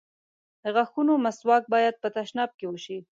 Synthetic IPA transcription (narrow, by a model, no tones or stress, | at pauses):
d̪əɣaxunomaswɑk̚bɑjad̪̚pət̪aʃnɑb̚kewəʃi